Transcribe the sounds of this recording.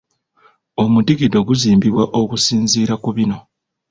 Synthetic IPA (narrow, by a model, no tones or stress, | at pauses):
omutiɡido̞ɡuziːmbiβwaʔokusiːnziːɾakuβino̞